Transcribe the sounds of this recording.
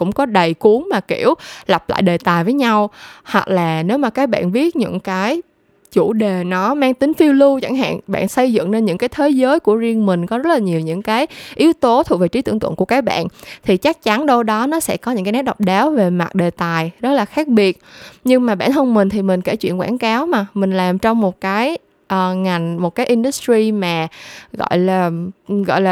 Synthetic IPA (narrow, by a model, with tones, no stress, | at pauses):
kʊ̰˧˥ŋ͡mkɔ˨˦ɗə˨˩jku˨˦əŋmaː˨˩ki˧˩əwla˨˩wp̚la̰ː˧˨jɗe˨˩t̪aː˨˩jvəː˨˦jɲa˧whwa˨˩k̚laː˨˩ne˨˦wmaː˨˩kaː˨˦k̚ɓa̰ː˧˨nvi˦˥ət̚ɲɨ̰˧˥ŋkaː˨˦j | t͡ɕu˧˩ɗe˨˩nɔ˨˦maː˧ŋt̪ï˨˦ŋ̟fi˧wlu˧t͡ɕa˧˩ŋɦa̰ː˧˨nɓa̰ː˧˨nsə˧jzɨ̰˧˨ŋne˧nɲɨ̰˧˥ŋkaː˨˦jt̪ʰe˨˦zəː˨˦jku˧˩əzi˧əŋmï˨˩ŋ̟kɔ˨˦zə˦˥t̚laː˨˩ɲi˨˩əwɲɨ̰˧˥ŋkaː˨˦jʔi˨˦wt̪o˨˦t̪ʰu˨˩ve˨˩t͡ɕi˨˦t̪ɨ̰˧˩ŋt̪w̰ə̰˧˨nkəkaː˨˦ɓa̰ː˧˨nt̪ʰi˨˩t͡ɕa˦˥k̚t͡ɕa˨˦nɗo˧wɗɔ˨˦nɔ˨˦sɛ̰˧˥kɔ˨˦ɲɨ̰˧˥ŋkaː˨˦n̚˦˥ɗɔ˨˩k͡p̚ɗaː˨˦wve˨˩ma˨˩t̚ɗe˨˩t̪aː˨˩jzə˦˥t̚laː˨˩xaː˦˥k̚ɓi˨˩ət̚ɲɨ˧ŋmaː˨˩ɓa̰ː˧˩˨nhə˧wŋ͡mmï˨˩ŋ̟t̪ʰi˨˩mï˨˩ŋ̟ke˧˩t͡ɕwḭ˧˨ənkwaː˧˩nkaː˨˦wmaː˨˩mï˨˩ŋ̟laː˨˩mt͡ɕɔ˧wŋ͡mmo˨˩t̚kaː˨˦j | ʔəː˨˩ŋa˨˩jŋ̟mo˨˩t̚kaː˨˦jʔi˧nɗu˨˦˥stɹi˧maː˨˩ɣɔ̰˧˨jlaː˨˩ɣɔ̰˧˨jlaː˨˩